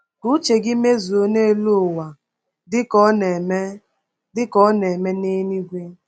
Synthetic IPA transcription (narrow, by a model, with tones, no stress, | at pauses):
ku˦t͡ʃe˨ɡɪ˦me˦zu˨o˦ne˦˨lu˦˨wa˨ | dɪ˦kɔ˦ne˨me˦ | dɪ˦kɔ˦ne˨me˦ne˦ni˦ɡʷe˦